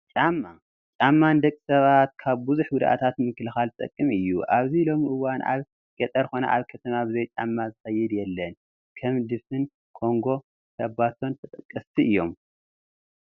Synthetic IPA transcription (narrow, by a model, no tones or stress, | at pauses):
t͡ʃʼamːa | t͡ʃʼamːand̪ɐkʼːi̥sɐβat̪̚kʰaβbuzuħɡʊd̪ʔa̰t̪ʰat̪mɨkːɨlɨxalt̪ʼɐ̰kʼːɨmɨjːṵʔaβzilo̞miʔɨwanʔa̰β | ɡ̥ɐt̪ʼɐɾxo̞nɐ̰ʔaβkʰɐt̪ʰɐmabɨzojt͡ʃʼa̰mːazɨxɐjːɪd̪jɛlːɐn | kʰɐmd̪ɨfɨn | kʰo̞ŋɡo̞ | kʰɐbat̪ʰo̞nt̪ʰɐt̪ʼɐkʼːɐst̪ʰiʔɨjːo̞̰m